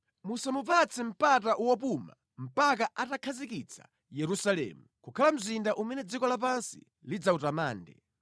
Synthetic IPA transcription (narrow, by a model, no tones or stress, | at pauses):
musamupat͡sʰim̩pataʔuwɔp̬uma̰ | m̩pak̬aʔatakʰazikit͡sʰḁ̰ | jɛɾusalɛ̰ːmukukʰalam̩zindaʔumɛnɛd͡zikɔlap̬ansḭ | lid͡zautamaːndɛ̰